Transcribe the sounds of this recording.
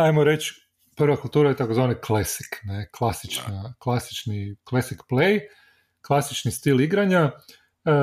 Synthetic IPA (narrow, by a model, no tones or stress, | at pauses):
ajmoɾet͡ʃ | pr̩ʋakult̪uːɾajet̪akozʋaniklesi̥kneklˠasit͡ʃnaklˠasi̥t͡ʃniklesikplej | klˠasit͡ʃnist̪iliɡɾaɲa